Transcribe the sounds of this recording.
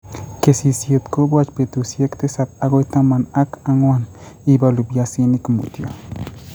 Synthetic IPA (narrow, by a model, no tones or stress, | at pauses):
kesisjet̪kobwat͡ʃpet̪usjekt̪esapaɡojt̪amanakaŋwanibalubjasinikmṵt̪jo̰